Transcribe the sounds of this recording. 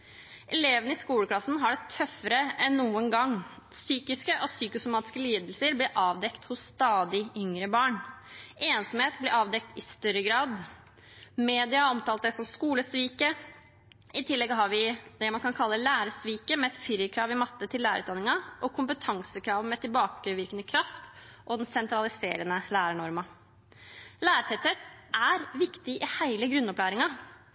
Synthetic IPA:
ʔɛleːʋənəɪskuːləkʰlɑsn̩ɦɑɖɛt̪ʰœfəɾəɛnːuːənɡɑŋː | syːkɪskəʔɔsyːkʊsʊmɑːt̪ɪ̥skəliːd̪əlsəɾblɪɾʔɑːʋd̪ɛkt̪hʊsːt̪ɑːd̪ɪʏŋɾəbɑːɳeːnsɔmheːt̪blɪɾɑːʋd̪ɛk̚t̪ɪst̪œɾəɡɾɑːd̪ | meːd̪ɪɑɔmt̪ɑːlt̪̚d̪ɛsɔmskuːləsʋiːkə | ɪt̪ʰɪlːɛɡɦɑɾʋɪd̪ɛmɑnkʰɑnkʰɑlːəlæːɾəsʋiːkəmɛɛt̪fyɾjəkʰɾɑːʋɪmɑt̪ːət̪ʰɪlːæːɾ̰ʉːt̪d̪ɑnːɪŋɑʔɔkʰʊmpət̪ʰɑŋsəkʰɾɑːʋ̪mɛt̪ʰɪlbɑːkəʋɪɾkənəkʰɾɑft̪ | ʔɔd̪ɛnsɛnt̪ɾɑlɪsḛːɾənəlæːɾəɳɔɾmɑ | læːɾʈʰɛt̪set̪ʔæɾʋɪkt̪ɪʔɪhæɪləɡɾʉnːɔplæːɾɪŋɑ

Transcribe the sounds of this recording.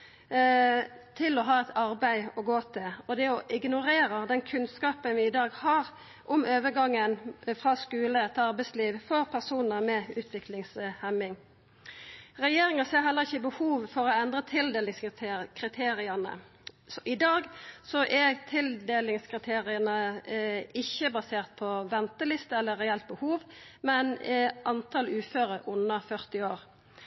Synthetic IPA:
t̪ʰɪlɔɦɑːɛt̪ʰɑɾbæɪɔɡoːt̪ʰɪlɔd̪ɛɔʔɪɡnʊɾeːɾəd̪ɛnkʰʉnskɑːpənʋɪːd̪ɑːɡhɑːʁ | ʔʊmøːʋəɡɑŋːənfʁɑːskʉːləɛt̪ʰɑʁbæɪsliːʋfɔʁpʰæʁsuːnəʁmɛʉːt̪ʰʋɪklɪŋshɛmːɪŋ | ʁɛjeːɾɪŋɑseːɾɦɛlːəʁɪçːəɪbəhuːʋfɔʁɔɛnd̪ʁət̪ʰɪld̪eːlɪŋskʰʁɪt̪ʰeːʁɪənə̰ | ʔɪd̪ɑːɡsɔʔɛt̪ʰɪld̪eːlɪŋskʰʁɪt̪ʰeːʁɪənə | ɪçəbɑseːʁt̪̚pʰɔʋɛnt̪əlɪst̪əɛlːəʁɛɛlt̪̚bəhuːʋmɛnʔɑnt̪ʰɑlʉːføːʁəʊnːəfœʁt̪ɪoːʁ

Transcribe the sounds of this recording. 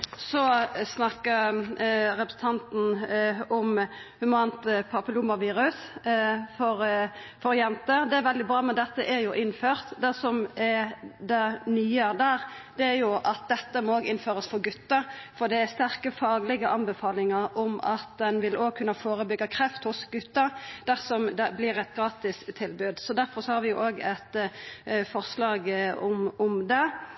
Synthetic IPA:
sɔsnɑkːəɾ | ɾɛpɾəsn̩t̪ʰɑnt̪n̩ɔmhʉmɑnt̪pʰɑpəlʊmɑʋiːɾʉs | fɔɾ | fɔɾjɛnt̪əd̪ɛæɾʋɛld̪ɪbɾɑːmɛnd̪ɛt̪ːəʔæɾjʊʔɪnːføːʁt̪d̪ɛsɔmɛɾd̪ɛnyːəd̪æːɾ | d̪̥ɛæɾjʊʔɑt̪̚d̪ɛt̪ːəmɔoːɡɪnføːɾəsfɔɾɡʉt̪ːɑfɔd̪ɛæst̪æɾkəfɑːɡlɪɡəʔɑnbɛfɑːlɪŋɑɾɔmɑt̪̚d̪ɛnʋɪloːɡ̚kʰʉnːəfoːɾəbʏɡːɑkʰɾɛft̪hʊsɡʉt̪ːɑɾd̪̥æʁsɔmd̪ɛblɪɾɛt̪̚ɡɾɑːt̪ɪst̪ʰːɪlbʉːd̪sɔd̪æɾfɔɾsɔhɑːɾʋɪjʊʔoːɡɛt̪ | fɔʁslɑːɡɔmʊmd̪ɛ

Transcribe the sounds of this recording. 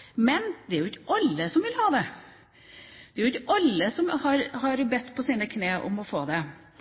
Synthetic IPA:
mɛnd̪ɛæɾjʊɪçːəʔɑlːəsɔmʋɪlhɑːd̪ɛ | d̪̥ɛæɾʊɪçːəʔɑlːəsɔmhɑɾhɑɾbɛt̪ːpʰɔsiːnəkʰneːʔɔ̰mɔfoːd̪ɛ

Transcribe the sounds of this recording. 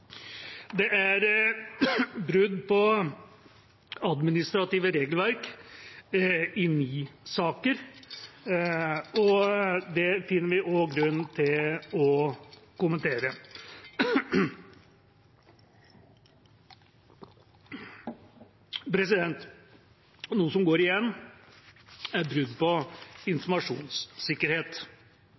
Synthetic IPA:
d̪ɛʔæɾ | bɾʉd̪pʰɔ | ɑd̪mɪnɪst̪ɾɑt̪iːʋəɾeːɡlʋæɾk | ɪnyːsɑːkəɾ | ɔd̪ɛfɪnːəɾʋɪʔɔɡɾʉn̩t̪ʰɪlɔkʊmənt̪ʰeːɾə | pʰɾɛsɪd̪ɛnt̪ | nuːəsɔmɡoːɾɪjɛnː | æɾbɾʉd̪pɔɪnfɔmɑʂṵːnsːɪkːəɾheːt̪

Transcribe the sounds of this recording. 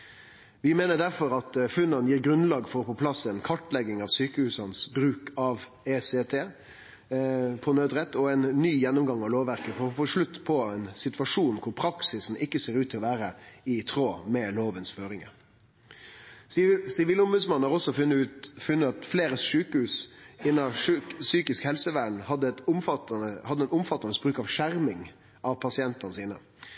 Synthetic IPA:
ʋɪmeːnəɖ̪æɾfɔɾɑt̪fʉnːɑnəjiːɾɡɾʉnlɑːɡfɔɾɔpʰɔpʰlɑsɛnkʰɑʈlɛɡɪŋɑʋsyːkəhʉːsɑnsbɾʉːkɑʋ | eset̪ʰeː | pʰɔnøːd̪ɾɛt̪ːɔɛɪnːyːjɛnːʊmɡɑŋɑʋloːʋʋæɾkəfɔɾfɔʂɭʉt̪ːpʰɔɛnsɪt̪ʋɑʂuːnkʰʊɾpʰɾɑksɪsn̩ɪkːəseːɾʉːt̪ʰːɪlɔʋæːɾəɪt̪ʰɾoːmɛloːʋənsføːɾɪŋə̰ | sɪʋiːlʊmbʉːd̪smɑnːhɑʁɔsːɔfʉfʉnːəɑt̪fleːɾəsʂʉːkəhʉːsɪnːɑʂʉsyːkɪskhɛlsəʋæːɳ̩hɑd̪ːəɛt̪ʊmfɑt̪əhɑd̪ːəɛnʊmfɑt̪ːɑnəsbɾʉːkɑʋʂæɾmɪŋ | ʔɑʋpʰɑsɪɛnt̪ɑnəsiːnə̰

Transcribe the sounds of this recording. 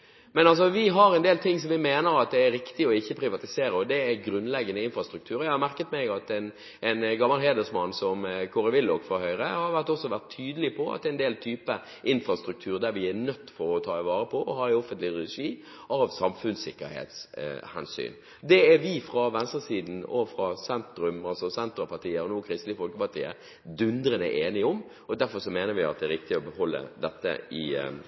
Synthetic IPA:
mɛnɑls̬ɔʋɪɦɑɾɛnd̪eːlt̪ʰɪŋsɔmʋɪmeːnəɾɑt̪̚d̪ɛæɾɾɪkt̪ɪɔɪçːəpʰɾɪʋɑt̪ɪseːɾəɔd̪ɛæɡɾʉnːlɛɡːənəɪnfɾɑst̪ɾʉkt̪ʰʉːɾɔjæɪhɑɾmæɾkət̪mɛɡɑt̪ɛn | ʔɛnɡɑmːɑlɦeːd̪əsmɑnːsɔmkʰʊɾɛʋɪlːoːkfɔɾhœʏɾəhɑɾʋæʁt̪ɔsɔʋæʁt̪ʰːyːd̪əlɪpʰɔɑ̰t̪d̪ɛɛnd̪eːlt̪ʰyːpə | ʔɪnfɾɑst̪ɾʉk̚t̪ʰʉːɾd̪æɾʋɪɛɾnœt̪ːfɔɾɔt̪ʰɑːɪʋɑːɾəpʰɔʔɔhɑːɔfənt̪lɪɾɛʂiː | ʔɑʋsɑmfʉnsɪkːəɾhḛːt̪shɛ̰nsy̰ːn | d̪ɛɛɾʋɪfɾɑʋɛnst̪əsiːd̪n̩ɔ̰fɾɑsɛnt̪ɾʉmɑlsɔsɛnt̪ɾɑpɑt̪iːəɾɔnuːkʰɾɪst̪lɪəfɔlkəpɑt̪ʰḭːə̰ɾ | d̪ʉnd̪ɾənəʔeːnɪɔm | ɔd̪æɾfɔɾʂɔmeːnəɾʋɪɑt̪d̪ɛæːɾɪk̚t̪ɪɔbəhɔlːə̰d̪ɛt̪ːə̰ɪ̰

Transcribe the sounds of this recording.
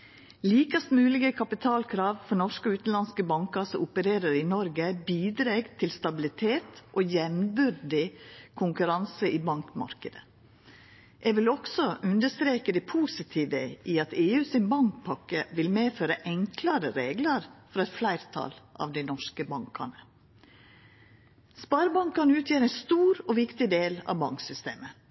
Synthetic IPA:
liːkɑst̪mʉːlɪɡəkʰɑpɪt̪ʰɑːlkʰɾɑːʋfɔɳɔʂkəʉːt̪n̩lɑnskəbɑŋkɑɾsɔʊpəɾeːɾəɾɪnɔɾɡəbiːd̪ɾeːɡt̪ʰɪlst̪ɑbɪlɪt̪ʰeːt̪ʔoːjɛmbʏɾd̪ɪkʰʊŋkʉɾɑnsəʔiːbɑŋkmɑ̰ɾkəd̪ə | ʔɛʋɪlɔksɔʔʉnd̪əʂst̪ɾeːkəd̪ɛpʰuːsɪt̪ʰiːʋəʔiɑt̪eːʉːsɪnbɑŋkpʰɑkːəʋɪlmeːføːɾəʔɛŋklɑɾəɾeːɡləɾfɔɾɑɛt̪flæɪɾt̪ʰɑ̰lʔɑ̰ʋd̪æɪnɔʂkəbɑŋkɑ̰ɳə | spɑːɾbɑŋkɑnʉːt̪ʰjeːɾæɪnst̪uːɾɔʋɪkt̪ɪd̪eːlɑ̰ʋbɑŋksʏst̪ḛːmə

